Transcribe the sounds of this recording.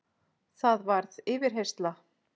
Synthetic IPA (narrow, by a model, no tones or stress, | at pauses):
θaðvaɾðɪːvɪɾ̥ɦejst̪la